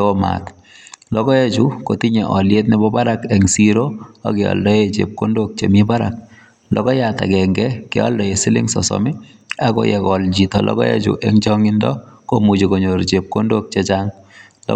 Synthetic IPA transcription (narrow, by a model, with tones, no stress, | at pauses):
ma̰t | lɔ˦kɔ˦e˦t͡ʃuko˨ti˦ɲe˨ʔɔ˨lje˦tnɛbɔ˦pa˦ɾa˦kɛ˨ŋsi˦ɾoa̰˨keɔ̰˨ldɔ˦je˦t͡ʃḛ˨p̚ko˦ndok̚t͡ʃe˨mi˦pa˦ɾa̰k̚ | lɔkɔ˦jata̰˨kɛ˨ŋɡɛ˦kɛ̰˦ɔ̰˦ldɔ˨e˨si˦lḭ˦ŋsɔ̰˨sɔ̰mi˦ | a˨ko̰jɛ˨kɔ˨lt͡ʃi˨tɔ˨lʔɔ̰kɔ˦jḛ˦t͡ʃṵ˨ʔe˦ŋt͡ʃɔ˦ŋi˦ndɔ̰˦ko˦mu˨t͡ʃi˨ko˨ɲo˨ɾt͡ʃe˨p̚ko˦ndo˦k̚t͡ʃe˦t͡ʃaŋ | l̰